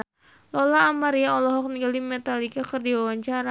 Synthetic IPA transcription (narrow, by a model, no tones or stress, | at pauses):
lɔlaːmaɾiaɔlɔɦɔk̚niɡalimɛt̪alikakɨrdiwawaɲt͡ʃaɾa